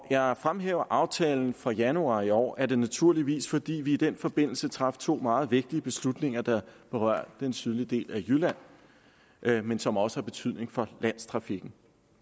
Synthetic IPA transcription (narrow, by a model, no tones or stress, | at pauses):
jɑ̈ɪfʁamɦeːʊɐʔɑ̈ʊt͡sʰɛːln̩fɒ̽jænuɑ̰̈ːiɒ̰ːʔæɐd̥e̝næt͡sʰuɐ̰liʋḭːsfɒ̽d̥ḭːʋiːd̥enfɒ̽b̥e̝n̰l̩sət͡sʰʁɑ̈ft͡sʰo̝̰ːmɑ̈ːð̞̩ˠʋe̝ɡ̥̚d̥iəb̥e̝slud̥ne̝ŋɐd̥ɑ̈b̥e̝ʁɶ̰ɐ̰̥d̥ensʰyð̞ˠlid̥e̝̰ːlæjylæn̰ | ʔmensɒ̽mɒ̽sə̥hɑ̈b̥e̝t͡sʰyð̰ˠne̝ŋfɒ̽læn̰st͡sʰʁɑ̈fiɡ̥n̩